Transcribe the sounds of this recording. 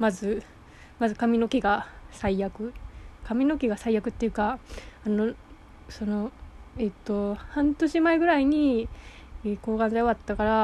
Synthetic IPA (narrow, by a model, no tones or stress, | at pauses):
mazɨ | mazɨkamʲino̞kʲeɡasaijakɯ̟kamʲino̞kʲeɡasaijakɯ̟t̪ːe̞jiɯ̟kaano | so̞no̞et̪ːo̞hãnt̪o̞ɕimaeɡɯ̟ɾaiɲ̟i | eko̞ːɡãnzajoβat̪ːakaɾa